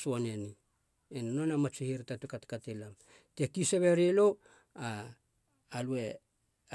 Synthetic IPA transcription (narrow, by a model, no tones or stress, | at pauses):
suaneni | enanonamat͡ʃihiɾtatukatkatelam | tekiseβeɾelo | aː | lue